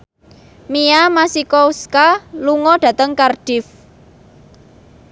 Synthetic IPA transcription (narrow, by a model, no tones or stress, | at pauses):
miamasikɔuskaluŋɔɖ̥ä̤t̪əŋkarɖ̥ɪf